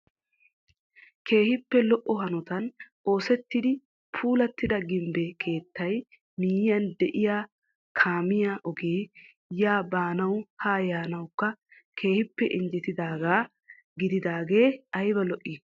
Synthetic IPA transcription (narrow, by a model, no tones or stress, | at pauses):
kʰe̞ːhɪpːɛlɔʔːɔɦɐnɔt̪ɐnʔo̞ːsɛt̪ːɪd̪ɪ | pʰuːlɐt̪ːɪd̪ɐɡɪmbekʰe̞ːt̪ːɐj | miːjɪjɐnd̪ɛʔɪjaː | kʰaːmɪjaːʔɔɡeː | jaːbaːnɐwhaːjaːnɐwkːɐ | kʰe̞ːhɪpːɛʔɪnd͡ʒɛt̪ɪd̪aːɡaː | ɡɪd̪ɪd̪aːɡe̞ːɐjbɐlɔʔːɪ